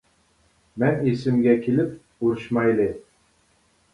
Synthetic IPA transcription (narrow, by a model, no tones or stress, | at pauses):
mɛnesɪmɡʲɛkʲʰelɪp | uɾuʃmɑjlɨ